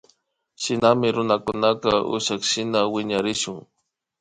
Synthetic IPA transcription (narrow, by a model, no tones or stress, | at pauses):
ʃɪnamɪɾʊnakʊnakaʔʊ̰ʃakʃɪnawɪɲaɾɪʃʊŋ